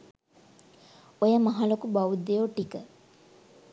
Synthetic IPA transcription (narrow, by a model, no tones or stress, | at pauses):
ojəmaɦalokubawud̪ejoʈikə